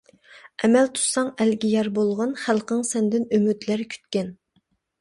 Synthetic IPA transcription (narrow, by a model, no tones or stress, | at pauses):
ɛmɛlt̪ʰu̥sɑŋɛlɡʲijɛɾbolˠʁɑnχælˠqəŋsɛnd̪ɪnymyd̪læɾkʲʰy̥t̪kʲɛn